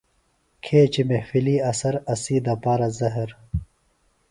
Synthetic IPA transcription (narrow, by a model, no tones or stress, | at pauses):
kʰeːt͡ɕimefiliːɐsɐɾɐsiːd̪ɐpaːɾɐzɐɦɐɾ